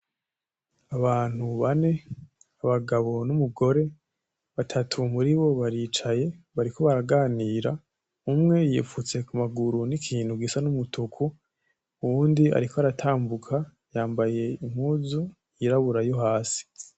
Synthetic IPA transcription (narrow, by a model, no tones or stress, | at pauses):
aβaːn̥huβane̞ | aβaɡaβo̞numuɡo̞ɾe̞ | βatʰatʰumuɾiβo̞βaɾiːt͡ʃaje̞ | βaɾiko̞βaɾaɡaːniːɾa | umŋe̞jḭːfut͡se̞kumaɡuɾunikʰiːnhuɡisanumutʰukʰu | uβuːndia̰ɾikoaɾatʰaːmbukʰa | jaːmbaje̞imhuːzu | jiɾaβuɾajo̞ɦaːsi̥